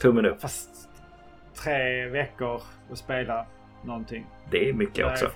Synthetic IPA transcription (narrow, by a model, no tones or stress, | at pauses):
t̪ʰɵmːənɵfast̪ | t̪ʰːɾeːvɛkːəɾ | ɔspeːla | nɔnt̪ʰɪŋː | d̪ɛæɾmʏkːə̰ʔɔ̰ksɔ̰